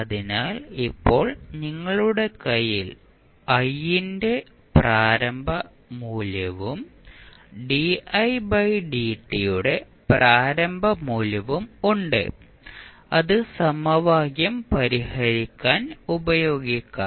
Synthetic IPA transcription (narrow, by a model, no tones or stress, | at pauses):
ɐðinaːlipːo̞ːɭniŋːɐɭuɽe̞kɐjil | ɐjinde̞ | praːɾɐmbʱɐ | muːlɐʋum | ɖiɐjbɐjɖiːʈːijuɽe̞ | praːɾɐmbʱɐmuːlɐʋumuɳɖɨ̰ | ɐðɨsɐmɐʋaːɣjɐmpɐɾihɐɾikʲːaːnubɐjo̞ːɡikʲːɐ